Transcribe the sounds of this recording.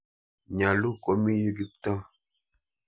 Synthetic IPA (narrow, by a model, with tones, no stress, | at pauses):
ɲa˨lu˦ko˨mi˦ju˦ɡi˦k̚tɔ˦